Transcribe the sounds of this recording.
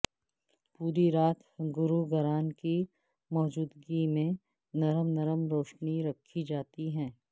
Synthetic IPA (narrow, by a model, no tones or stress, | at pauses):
puːɾiɾaːt̪ɡʊɾuɡɐɾaːnki | mɔːd͡ʒuːd̪ɡimẽ | nɐɾəmnɐɾəmɾoːʃniɾɐkʰːid͡ʒaːt̪iɦɛ̃ː